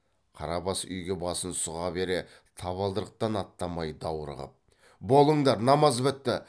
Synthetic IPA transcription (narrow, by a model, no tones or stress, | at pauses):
qʰɑ̰ɾɑbɑsʏ̰jɡʲe̞bɑsənsʊʁɑbe̞ɾe̞ | t̪ʰɑβɑlˠd̪əɾəq̚t̪ɑnɑt̪ːɑmɑjd̪ɑwɾə̰ʁə̰p̚ | bo̞lˠəɴd̪ɑɾnɑmɑzbɪt̪ːɪ